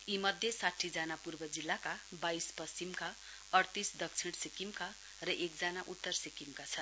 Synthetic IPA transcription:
imʌd̪ʱjesaʈʰːid͡zanapurbʌd͡zilːakabaispʌsimka | ʌrt̪isd̪ʌkt͡sʰiɽ̃sikimka | rʌʔekd͡zanaʔut̪ːʌrsikimkat͡sʰʌn

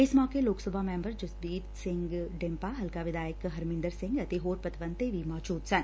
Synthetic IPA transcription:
ɪsmɔːkeloːksəbʱamɛ̃ːmbəɾd͡ʒʊsd̪iːt̪sɪ̃ŋɡɖɪ̃mpaɦɐlkaʋɪd̪aːjəkɦɐɾmɪ̃nd̪əɾsɪ̃ŋɡət̪eɦoːɾpət̪ʋə̃nt̪ebʱimɔːd͡ʒuːd̪sɐn

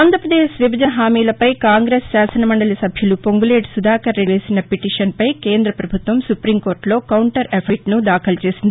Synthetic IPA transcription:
aːnd̪ʱɾɐpɾɐd̪eːʃʋibʱɐd͡ʒɐɐɦaːmiːlɐpɐjkaːŋɡɾeːsːaːsɐnɐmɐɳɖɐlɐsɐbʱjulupo̞ŋɡule̞ːɖsud̪aːkɐɾːeʋeːsinɐpiʈiːʂɐnpɐjke̞ːnd̪ɾɐpɾɐbʱut̪ʋɐmsupɾiːmko̞ːɾʈlo̞ːkɐwɳʈɐɾepʰiʈnud̪aːkʰɐlɐt͡ʃe̞ːsind̪ii

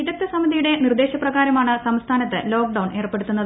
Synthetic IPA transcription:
iɾɐk̚t̪ːɐsɐmɐðijuɽe̞nird̪e̞ːɕɐprɐɣaːɾɐmaːɳɨsɐmst̪ʰaːnɐt̪ːɨ̰lo̞ːk̚ɖɐwɳe̞ːrpːe̞ɽut̪ːunːɐðɨ

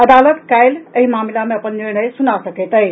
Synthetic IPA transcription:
əd̪alət̪kajleɦimaːmilameɐpənːiɾnəjsunasəket̪əj

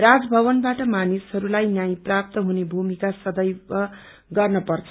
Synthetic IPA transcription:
rad͡zbʱʌβʌnbaʈʌmanishʌɾulajnjajĩprap̚t̪ʌɦunebʱumikasʌd̪ʌjʌ | ɡʌrnʌpʌrt͡sʰ

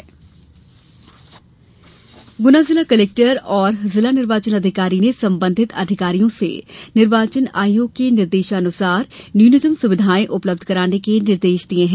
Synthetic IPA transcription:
ɡʊnazɪlakɐleːk̚ʈəɾɔːɾzɪlanɪɾʋaːt͡ʃənɐd̪ʱɪkaːɾinesɐ̃mbə̃nd̪ʱɪt̪ɐ̰d̪ʱɪkaːɾijõsḛnɪɾʋaːt͡ʃəna̰ːjoːɡ̚kenɪɾd̪eːʃaɐnʊsaːɾnjuːnɪzəmsʊʋɪd̪ʱaːẽʔʊpləb̚d̪ʱkɐɾaːnekenɪɾd̪eːʃd̪iẽɦɛ̃

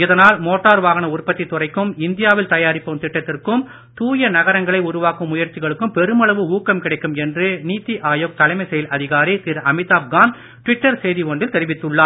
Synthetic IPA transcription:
ɪðɐnaːlmoːʈːaːɾʋaːɣɐnɐʊrpɐt̪ːit̪ʊrɐɪkːɯmɪnd̪ɪjaːʋɪlt̪ɐjaːɾɪpːɐmt̪ɪʈːɐt̪ːɪrkɯm | t̪uːjɐnɐɣɐɾɐŋɡɐɭɐɪʊɾʊʋaːkɯmːʊjɐɾt͡ʃɪɣɐɭɯkːɯmpɛɾɯmɐɭɐʋɯuːkːɐmkɪɽɐɪkːɯmɛndrɯniːt̪ːiʔaːjoːk̚t̪ɐlɐɪmɐɪsɛjɐlʔɐðɪɣaːɾit̪iɾɐmɪt̪aːp̚ɡaːn | ʈʋɪʈːɐɾsɛjðiʋɔɳɖɪlt̪ɛɾɪʋɪt̪ːɯɭːaː

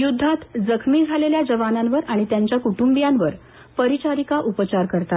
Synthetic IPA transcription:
jud̪ʱːat̪d͡zəkʰmiːd͡zʱaleljad͡ʑəʋananʋəɾaɽ̃it̪jaɲt͡ɕjakuʈumbijanʋəɾ | pəɾit͡ɕaɾikaʔupət͡ɕaɾkəɾt̪at̪

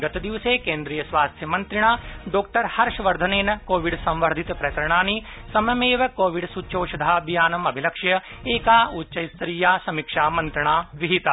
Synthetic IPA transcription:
ɡɐt̪d̪iʋseːkẽːnd̪ɾijɐsʋaːst̪ʰjɐmɐ̃nt̪ɾɪɳ̃aːɖoːk̚ʈɐɾhɐɾʃʋɐɾd̪ʱɐneːnɐkoːʋiɖsɐ̃mʋɐɾd̪ʱit̪pɾɐkɐɾɐɽ̃aːni | sɐmjɐmeːʋɐkoːʋiɽsut͡ʃoːʃɐd̪ʱaːbijaːnɐmɐbʱilɐkʃjɐ | eːkaːutːʃɐjst̪ɾiːjaːsɐmikʃaːmɐ̃nt̪ɾɐɳ̃aːʋiɦit̪a

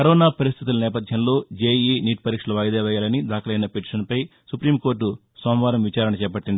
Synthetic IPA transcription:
kɐɾɔːnaːpɐɾist̪ʰit̪ulɐnɛːpɐd̪ʱjɐmlo̞ːd͡ʒeːiːniːʈpɐɾiːkʂɐlɐʋɐjd̪eːʋɐjaːlɐnid̪aːkɐlɐjnɐpeʈi̥ʂɐnpɐjsupɾiːmko̞ːɾʈːu | soːmʋaːɾɐmʋit͡ʃaːɾɐnɐt͡ʃɛːpɐʈːind̪i

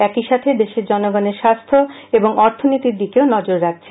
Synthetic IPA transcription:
ɛkiʃat̪ʰed̪eʃeɾd͡ʑɔnoɡɔneɾʃast̪ʰo | eboŋɔɾt̪ʰonit̪iɾd̪ikeonɔd͡ʑoɾːak̚t͡ɕʰe

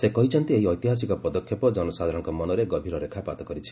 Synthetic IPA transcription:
sekɔɦit͡ʃʰɔnt̪ieɦiɔjt̪iɦas̬ikɔpɔd̪ɔkʰjepɔd͡ʒɔnɔsad̪ʱaɾɔŋkɔmɔnɔɾeɡɔbʱiɾɔɾekʰapat̪ɔkɔɾit͡ʃʰi̥

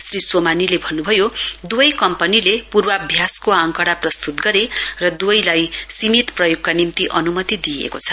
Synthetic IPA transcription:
sriswomanilebʱʌnːubʱʌjod̪uʌjkʌmpʌnilepurbʌʌbʱjaskoaŋkʌɽaprʌst̪ut̪ɡʌɾerʌd̪uʌjlajsimit̪prʌjoɡkanimt̪iʔʌnumʌt̪id̪ijḛkot͡sʰʌ̥

